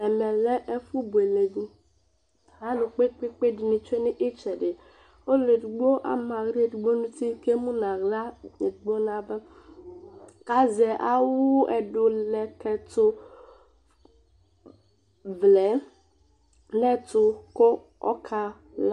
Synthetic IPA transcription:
ɛ˨mɛ˨lɛ˦ʔɛ˦fu˦bu˨e˨le˨ɡũ˦ | ɦa˦nʊ̃˨k͡pe˦k͡pe˦k͡pe˦dɪ˨nĩ˨t͡ʃe˦nɪ̃˦ʔi˦t͡ʃɛ˨ɖɪ˨ | o˦le˨dɡ͡bo˦ʔa̰˦mã˨ɣɾe˦dɡ͡bo˦nũ˦t̪i˦ke˦mũ˦nã˨ɣla˦ɲe˨ɡ͡bo˦nã˨bɛ˦ | ka˨˦zɛ˨ʔa˦wu˦ɛ˨ɖʊ˨lɛ˨kɛ˨t̪ʊ˦ | vlɛ˨˦ | lɛ˦t̪ʊ˦ko˦ | ɔ̰˦kʰa˦ | la˦

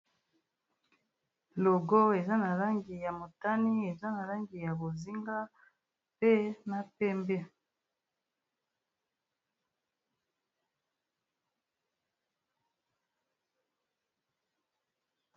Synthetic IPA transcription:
lo˨ɡo˦e˨za˦na˨la˦ŋɡi˨ja˨mo˨ta˦ni˦e˨za˦na˨la˦ŋɡi˨ja˨bo˨zi˦ŋɡa˦ | pe˦na˦pe˦mbe˦˨

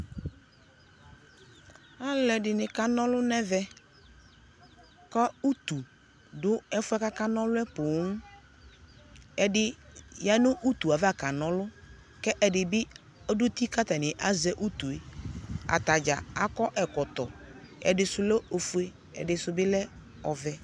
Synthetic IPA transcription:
a˦lɛ˨dɪ˨nɪ̃˨ka˦nɔ̃˦lʊ˦nɛ˦vɛ˦ | kɔ˦u˦t̪u˨ | dʊ˦ɛ˦fʊ˦ɛ˦ka˦ka˦nɔ̃˦lʊ˦ɛ˦pʊ˨˦ʊ˦ | ɛ˨dɪ˦ja˦nʊ̃˦ʔu˦t̪u˨a˨va˦˨ka˨nɔ̃˦lʊ˦ | kɛ˦ʔɛ˨dɪ˨bɪ˦ | ɔ˦dʊ˦t̪i˦ka˦t̪a˨nɪ̃˨ʔa˦zɛ˦ʔu˦t̪u˨e˨a̰˨t̪a˨d͡ʒa˨a˨kɔ˦ʔɛ˨kɔ˨t̪ɔ̰˨ | ɛ̰˨dɪ˨sʊ˨lɛ˦o˨fu˦e˦ | ɛ̰˨dɪ˨sʊ˨bɪ˦lɛ˦ | ɔ˨vɛ˨

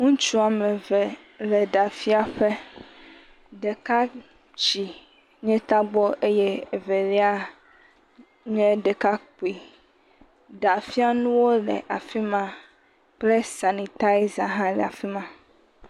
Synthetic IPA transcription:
ŋũ˦t͡ʃu˦a˨mɛ̃˨vɛ˨ | lɛ˨ɖa˨fi˦a˨ɸe˦ | ɖɛ˨ka˦ | t͡ɕi˨ | ɲɛ̃˦t̪a˦ɡ͡bɔ˦ʔe˦jɛ˦e˨ve˨lɛ˦a˦ | ɲɛ̃˦ɖɛ˨ka˦k͡pi˨ | ɖa˨fi˦a˦nũ˦wo˦lɛ̰˨ʔa˨fi˦mã˦ | ple˦sa˨ni˨t̪a˦i˦za˨ɦã˦lɛ̰˨a˨fi˦mã˦

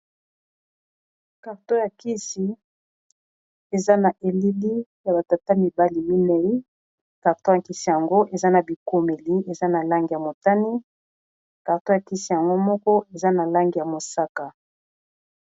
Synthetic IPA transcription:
ka˨ʁto˦ja˨ki˦si˨ | e˨za˦na˨ʔe˨li˦li˦ja˨ba˨ta˨ta˦mi˨ba˦li˨mi˦nɛ˦i˦ | ka˨ʁto˦ja˨ki˨˦si˨ja˨ŋɡo˦ʔe˨za˦na˨bi˨ko˨me˨li˦e˨za˦na˨la˦ŋɡi˨ja˨mo˨ta˦ni˦ | ka˨ʁto˦ja˨ki˦si˨ja˨ŋɡo˦mɔ˦kɔ˦ʔe˨za˦na˨la˦ŋɡi˨ja˨mo˨sa˦ka˨

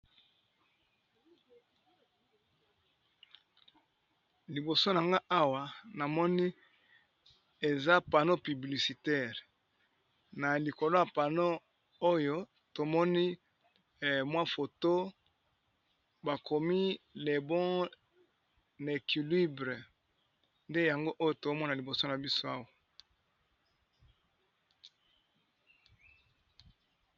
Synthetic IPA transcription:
li˨bo˨so˦n˨a˨ŋɡa˦ʔa˦wa˦˨na˨mɔ˦ni˦ | e˨za˦pa˨no˦py˨bli˨si˨tɛ˦˨ʁ | na˨li˨ko˨lo˦a˨pa˨no˦ | o˦jo˦ | to˨mɔ˦ni˦ | mwa˦fo˨to˦ | ba˨kʰo˨mi˦le˨bɔ̃˦ | ne˨kʰi˨li˦bʁe˨ | nde˦ja˨ŋɡo˦ʔo˦jo˦˨to˨˦mɔ˦na˨li˨bo˨so˦na˨bi˦so˦a˦wa˨

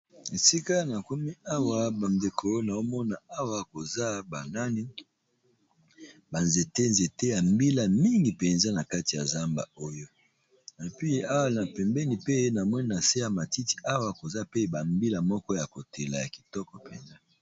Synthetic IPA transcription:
e˨si˦ka˦na˨ko˦mi˦a˦wa˨ba˨nde˨kʰo˨na˨o˦mɔ˦na˨a˦wa˨ko˨za˦ba˨na˦ni˦ | ba˨nze˨te˦nze˨te˦ja˨mbi˦la˨mi˦ŋɡi˨pɛ˨nza˦na˨ka˦ti˨a˨za˦mba̰˨o˦jo˦ | e˨pi˦a˦wa˦˨na˨pɛ˨mbɛ˦ni˨pe˦na˨mwɔ˦ni˦na˨se˦ja˨ma˨ti˦ti̥˨ʔa˦wa˦˨ko˨za˦pe˦ba˨mbi˦la˨mɔ˦kɔ˦ja˨ko˨te˨la̰˨ja̰˨ki̥˨tɔ˦kɔ˨pɛ̰˨nza˦

